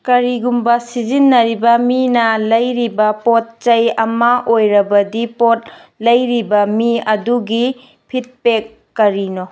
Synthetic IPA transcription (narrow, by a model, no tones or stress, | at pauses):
kɐɾiɡumbɐsizinːɐɾibɐminɐlɐjɾibɐpot̚t͡ʃɐjɐmɐʔojɾɐbɐdipot̚ | lɐjɾibɐmiɐduɡi | pʰit̚pekː | ɐɾino